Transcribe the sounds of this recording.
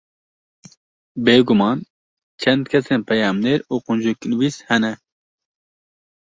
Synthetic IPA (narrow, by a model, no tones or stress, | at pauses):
beːɡumɑːn | t͡ʃʰɐnd̪kʰɐseːnpɐjaːmneːɾuːqʊnd͡ʒuknwiːshɐnɛ